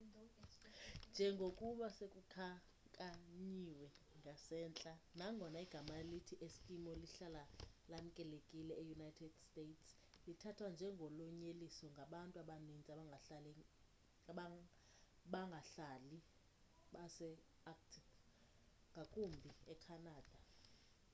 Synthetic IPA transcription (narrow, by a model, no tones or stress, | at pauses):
nd͡ʒʱɛŋɡʱokʼuɓasekʼukʰa | kʼaɲiwɛ | ŋɡʱasɛːnt͡ɬʼanaŋɡʱɔnaiɡ̥ʱamalitʰiʔeskʼimɔliɬalalam̩kʼɛlekʼilɛejunajtʰɛd̥stetʰs | litʰatʰwand͡ʒʱɛŋɡʱɔlɔɲelisɔŋɡʱaɓantʼuaɓanint͡sʼaɓaŋɡʱaɬalɛ | ɓ | ɓaŋɡʱaɬaːli | ɓasɛ | ak̚tʰiv | ŋɡʱakʼumbʱiɛkʰanaːd̥ʱa